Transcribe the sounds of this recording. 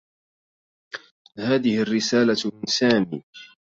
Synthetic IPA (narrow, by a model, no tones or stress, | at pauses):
haːðɪhɪrːɪsaːlamɪnsaːmḭː